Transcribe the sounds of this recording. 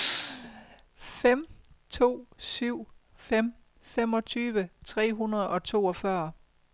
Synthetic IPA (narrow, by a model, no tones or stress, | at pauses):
fem̰t͡sʰo̝̰ːsyʊ̰ | fem̰ | femɒ̽t͡sʰyːʋət͡sʰʁɛ̰ːɦunɐð̞ˠɒ̽t͡sʰo̝̰ːɒfɶɐ